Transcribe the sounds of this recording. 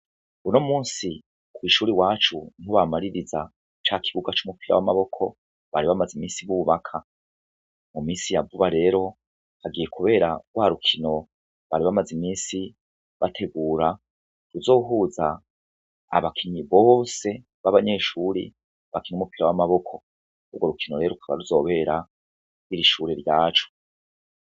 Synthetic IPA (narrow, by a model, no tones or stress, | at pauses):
unomuːnsi | kwiʃuːɾiwaːt͡ʃuniɦoβamaɾiɾiza̰ | t͡ʃakʰiβuɡat͡ʃumupiɾa̰wamaβo̞kʰo̞ | βa̰ɾiβamazimiːnsiβuβakʰa | mumiːsijavuβaɾe̞ːɾo̞ | haɡijekuβe̞ːɾawaːɾukʰino̞ | βaɾiβamazimiːsi | βatʰe̞ɡuːɾa | ɾuzo̞ːɦuza̰ː | βakʰiɲiβo̞ːse̞ | βaβaɲe̞ːʃuːɾḭ | βakinumupiɾawamaβo̞kʰo̞ | ubɡoɾukʰinoɾe̞ːɾoukʰaβa̰ɾuzo̞ːβe̞ːɾa | iɾiʃuːɾe̞ɾjaːt͡ʃu̥